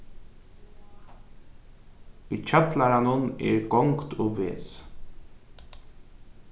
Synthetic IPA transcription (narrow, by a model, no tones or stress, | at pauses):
ʊcʰœt̪laɾanʊnɛ̰ːɹɡɔŋkt̪ʰʊʋḛːs